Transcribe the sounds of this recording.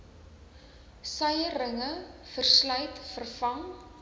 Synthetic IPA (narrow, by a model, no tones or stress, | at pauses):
sœjərəŋəfərslœɥtfərfɐŋ